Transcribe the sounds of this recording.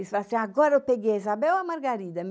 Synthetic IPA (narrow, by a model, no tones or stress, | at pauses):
isfalasĩaɡɔɾɐewpeɡejezabɛwɐmaɾɡaɾid̪ɐm